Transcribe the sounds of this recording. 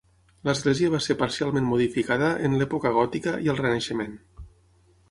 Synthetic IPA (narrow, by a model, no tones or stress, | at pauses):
ləzɣlɛziəβaseɾpaɾsialˠmẽnmuðifikaðəʔənlɛpokəɣ̞ɔt̪ikəʔiəlˠrənəʃəmen